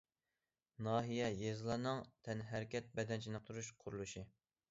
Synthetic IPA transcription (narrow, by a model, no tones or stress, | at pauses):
nɑːɦijɛjezɨlˠɑɾnɨŋt̪ʰɛnɦæɾkʲʰɛt̪̚bɛd̪ɛnt͡ʃʰinɨq̚t̪ʰuɾuʃqʰʊɾulˠuʃi